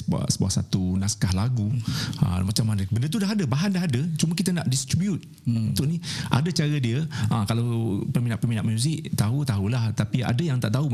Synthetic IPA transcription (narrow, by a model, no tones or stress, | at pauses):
ba̰ʔsəbua̰ʔsa̰t̪unaskahlaɡuə̰mat͡ʃamːanə̃bəndət̪̬udaɦadəbaɦandaɦadət͡ʃuməkit̪ənaʔdist̪ɾibjut̪̚ | unt̪ʊʔniʔa̰dat͡ʃaɾədiəʔakalawpərminaʔpəminaʔmjuzɪʔt̪aɦut̪aɦulaht̪apia̰dəjaŋt̪a̰ʔt̪aɦu